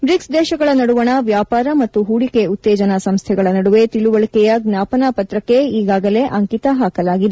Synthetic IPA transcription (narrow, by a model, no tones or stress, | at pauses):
bɾiksd̪ɛːʃɐɡɐɭɐnɐɽuʋɐɳɐʋjaːpaːɾɐmɐt̪ːuɦuːɽike̞ut̪ːɛːd͡ʒɐnɐsɐmst̪ʰɛɡɐɭɐnɐɽuʋe̞t̪iɭuʋɐɭikɛjɐɡnjaːpɐnaːpɐt̪ɾɐkːe̞iːɡaːɡɐle̞ʔɐŋkit̪ɐɦaːkɐlaːɡid̪e